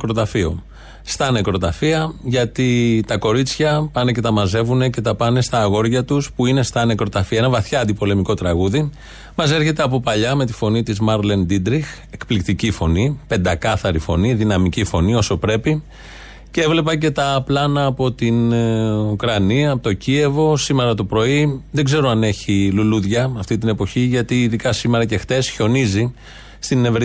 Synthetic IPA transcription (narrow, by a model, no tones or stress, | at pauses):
kɾo̞t̪ɐfio̞̰ | st̪ɐne̞kɾo̞t̪ɐfiɐʝɐt̪it̪ɐko̞ɾit͡sçɐpɐne̞ce̞t̪ɐmɐze̞vune̞ce̞t̪ɐpɐne̞st̪ɐːɣo̞ɾʝɐt̪uspuine̞st̪ɐne̞kɾo̞t̪ɐfiɐenɐvɐθçɐɐnd̪ipo̞le̞miko̞t̪ɾɐɣuði | mɐse̞ɾçe̞t̪eɐp̬o̞pɐʎɐme̞t̪i̥fo̞nit̪izmɐɾlend̪id̪ɾix | e̞kplikt̪icifo̞nipe̞nd̪ɐkɐθɐɾifo̞niðinɐmicifo̞nio̞so̞pɾe̞pi | cee̞vle̞pɐce̞t̪ɐplɐnɐːpo̞t̪inukɾɐniɐpot̪o̞cie̞vo̞sime̞ɾɐt̪o̞pɾo̞iðeɡze̞ɾo̞ɐne̞çiluluðʝɐɐft̪it̪̬ine̞po̞çiʝɐt̪iːðikɐsime̞ɾɐce̞xt̪e̞sço̞nizi | st̪inevɾ